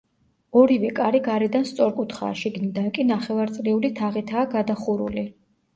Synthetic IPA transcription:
ɔɾivɛkʼaɾiɡaɾɛd̪anst̪sʼɔɾkʼut̪ʰχa̰ːʃiɡnid̪ankʼinaχɛvaɾt̪sʼlɛulit̪ʰaʁit̪ʰaːɡad̪aχuɾṵli

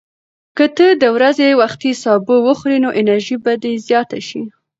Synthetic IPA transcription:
kət̪əd̪əwɾazewaxt̪isɑbəwəxɾinoʔɪnaɾʒibad̪ezjɑt̪aʃi

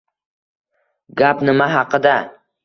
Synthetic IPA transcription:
ɡʲapnɪmaɦɑqʰɨd̪a

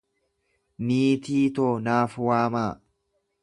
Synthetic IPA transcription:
niːt̪iːt̪oːnaːfwaːmaː

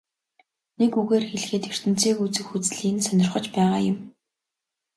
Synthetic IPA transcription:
nekuɣeːrxeɮxeːt̪er̥t̪ɘ̆n̥t͡sʰeːkut͡sɘ̆xut͡sɮiːnsœnʲɪ̆rχə̆t͡ɕpæːʁaːjʊ̆m

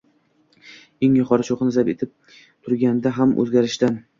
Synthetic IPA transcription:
eŋjʊqʰɒɾʃoqnɪzape̞t̪ʰɪp̚ | t̪ʰʊɾɡʲand̪aɦamʔɵ̰zɡʲaɾɪʃt̪an

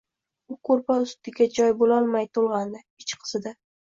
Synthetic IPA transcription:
ʊkʰoɾpʰaʊst̪ɪɡʲad͡ʒɒjbolɒlˠmajt̪ʰolˠʁɑnd̪ɪ | ɪt͡ʃqʰɨ̥z̥ɪd̪a

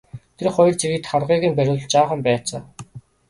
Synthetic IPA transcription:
t̪ʰerχɔjɞ̆rt͡sʰiɣɘ̆t̪χarʁiːɣɘ̆mpæɾʲʊːɮt͡ɕaːχə̆mpæːt͡sa̰ː

